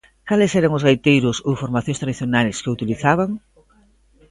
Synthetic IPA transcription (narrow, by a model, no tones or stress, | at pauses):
kalɪsɛɾaŋʊzɣajt̪ejɾʊsowfoɾmaθjõst̪ɾaðiθjonalskeut̪iliθaβaŋ